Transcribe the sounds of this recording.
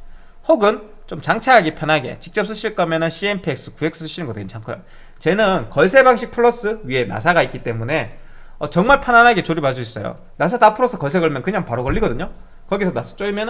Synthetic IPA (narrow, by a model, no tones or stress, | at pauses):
hoɡɯn | t͡ɕomt͡ɕaŋt͡ɕʰaaɡipʰjʌnɦaɡe̞̰t͡ɕi̥k̚t͡ɕ͈ʌp̚s͈ʰɯɕʰiɭk͈ʌmjʌnɯnɕʰienpʰeek̚s͈ɯ̥kue̞ksɯsʰɯɕʰinɯnɡʌdent͡ɕʰaŋkʰɯjo̰ | t͡ɕe̞nɯnkʌɭsʰe̞baŋɕʰik̚pʰɯɭːʌs͈ɯɥie̞na̰sʰaɡaik͈it͈e̞mune̞ | ʌt͡ɕʌŋmaɭpʰjananɦaɡe̞t͡ɕoɾibad͡ʑuis͈ʌjo̰ | nas̬ʰatapʰɯɾosʰʌkʌɭsʰe̞ɡʌɭmjʌnkɯɲaŋpaɾokʌʎːiɡʌdɯɲo | kʌɡisʰʌnasʰʌ̥t͡ɕ͈oɭmjʌn